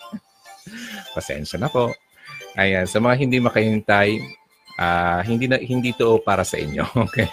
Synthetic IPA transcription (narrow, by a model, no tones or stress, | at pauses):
pɐsɛ̰nʃɐnɐpo̞ʔ | ʔɐjansɐmɐŋaɦɪnd̪imɐkɐhɪnt̪aj | ʔaɦɪnd̪inɐhɪnd̪iːt̪oʔo̞paːɾɐsɐ̰ʔɪ̰ɲːo̰ʔokej